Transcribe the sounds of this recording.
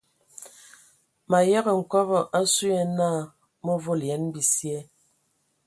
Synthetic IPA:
ma˨jɛ˦ɣə˨ŋ̩˨kɔ˦βɔ˨ʔa˦su˦ɛ˨naː˦˨ | mɔ˦vo˦˨ljɛ˨˦nbi˨sjɛ˦

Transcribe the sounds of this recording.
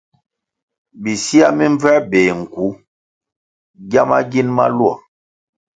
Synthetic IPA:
bi˨si˦a˦mi˦ɱ˦b͡vɛ˦beː˨ŋ̩˨ku˨˦ | ɡa˦ma˦ɡi˦nma̰˦lu˦a̰˨

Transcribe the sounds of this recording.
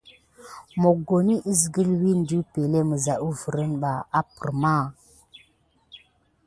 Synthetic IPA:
mo˨ɡo˨ni˦ʔi˦sɡə˦lwi˦n˨du˦pe˨le˦mə˨za˨ʔu˦və˨ɾə˦nɓa˨a˦pə˨ɾma˦˨

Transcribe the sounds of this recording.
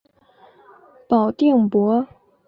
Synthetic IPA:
pɑ˨˩ʊt̪i˥˩ŋpwɔ˧˥

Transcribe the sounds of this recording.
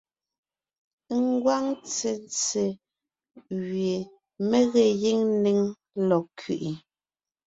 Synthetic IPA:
ŋ˦ɡwa˦ŋt͡se˨nt͡se˨ | ɣɥe˨ | me˦ɣɛ˨ji˦ŋ˦ni˦ŋ | lɔ˨kʰḭ˨ʔi˨

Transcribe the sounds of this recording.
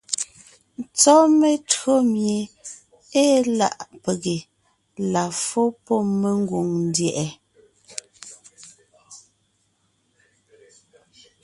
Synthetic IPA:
t͡sɔ˦me˦tɰo˦mje˨ | e˦la̰˨ʔpe˨ɣe˨ | la˨fo˦pɔ˦me˦ŋ˦ɡwo˨ŋn̩˦djɛ˨ʔɛ˨

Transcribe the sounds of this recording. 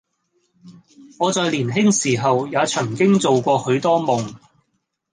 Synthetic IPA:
ŋɔː˨˧t͡sɔː˨˧jliː˨˩nɦɪ˥ŋsiː˨˩ɦɐ˨wjaː˨˧t͡sʰɐ˨˩ŋkɪ˥ŋt͡so˨wkʷɔː˧hɵ˨˧˥t̪ɔː˥mʊ˨˩ŋ

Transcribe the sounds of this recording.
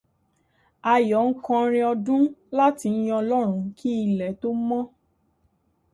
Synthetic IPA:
a˧jɔ˨˦ŋ̩˦kɔ̃˧˦ɾ̃ĩ˧ɔ˧dũ˦la˦ti˧n̩˦j̃ɔ̃˧lɔ˦ɾ̃ũ˧˦kʰi˦i˧˨lɛ˨to˦mɔ̃˦

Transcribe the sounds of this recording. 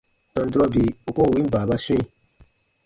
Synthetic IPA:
tɔ̃˧n˦du˦ɾɔ˦bi˨o˨˦ko˦˨wĩ˦m˦baː˨ba˦sũ˦ĩ˨

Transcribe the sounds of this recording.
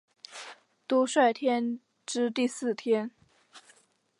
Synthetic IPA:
t̪u˥ʂwa˥˧ɪt̪ʰjɛ˥n | ʈ͡ʂɻ̩˥t̪i˥˧sɹ̩˥˩t̪ʰjɛ˥n

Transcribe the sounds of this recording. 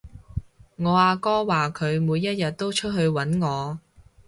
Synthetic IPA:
ŋɔː˨˧aː˧kɔː˥waː˨kʰɵ˨˧ɥmuː˨˧jːɐ˥t̚jɐ˨t̚t̪o˥wt͡ʃʰɵ˥t̚ɦɵ˧ɥwɐ˨˥nŋɔː˨˧

